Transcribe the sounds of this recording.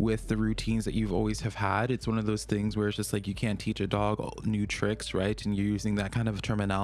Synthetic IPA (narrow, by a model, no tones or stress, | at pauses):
wɪðɨɹʉtʰĩnzðɨ̰t͡ʃʉvɔ̰lˠwiz̥ɨv̥əɾɨtswʌ̃nʌvðoʊz̥θɪ̃ŋzwə̥˞d͡ʒʌst̚ˡlaɪkjɨkʰæ̃ntʰit͡ʃɨdɔɡnʉtʰɹ̥ɪksɹa̰ɪtn̩jə˞jʉzɪ̃ŋðɨt̚kʰãɪ̃ndʌv̥tʰɜ̃˞mɨnæ